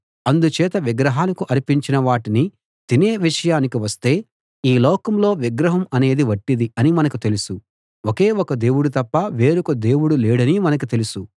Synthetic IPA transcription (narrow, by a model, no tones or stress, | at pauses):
ɐnd̪ut͡ʃɛːt̪ɐʋiɡɾɐɦaːlɐkuʔɐɾipiɲt͡ʃinɐʋaːʈini | t̪ine̞ːʋiʂɐjaːnikiʋɐst̪e̞ː | iːlɔːkɐmlo̞ːʋiɡɾɐɦɐmɐne̞ːd̪iʋɐʈːid̪iɐnimɐnɐkut̪e̞lusu | oke̞ːɔkɐd̪e̞ːwuɽut̪ɐpːɐʋe̞ːɾukɐd̪e̞ːwuɽuleːɽɐnimɐnɐk̬ut̪e̞lusu